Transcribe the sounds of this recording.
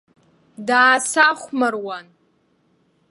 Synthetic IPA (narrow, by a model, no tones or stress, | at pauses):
daːsaχʷmarwan